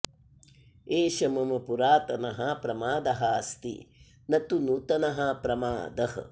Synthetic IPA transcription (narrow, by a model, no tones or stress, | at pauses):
eːʃɐmɐmɐpuɾaːt̪ɐnɐɦɐpɾɐmaːd̪ɐɦɐst̪ḭ | nɐt̪unut̪ɐnɐɦɐpɾɐmaːd̪ɐɦɐ̰